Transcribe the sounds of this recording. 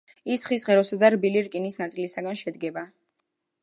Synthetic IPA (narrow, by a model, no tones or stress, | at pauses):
isχisʁɛɾɔsad̪aɾbiliɾkʼinisnat̪sʼilisaɡanʃɛd̪ɡɛba